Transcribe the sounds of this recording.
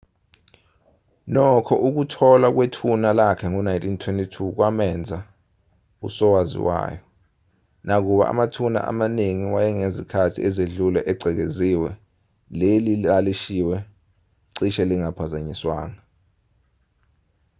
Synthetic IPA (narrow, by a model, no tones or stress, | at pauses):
nɔkʰɔʔuk̬utʰɔlak̬wetʰunalakʰɛŋɔnajntʰʼintʰwentʼitʰuk̬wamɛnd͡zʱa | ṵsɔwazḭwa̰ːjɔ | nak̬uɓa̰ʔa̰matʰuna̰ʔa̰maneŋiwajɛŋezikʰatʰiɛzeɮulɛʔɛɡ͡ǀʱɛk̬eziwɛ | lelilaliʃiwɛ | ǀiʃɛliŋapʰazaɲiswa̰ːŋa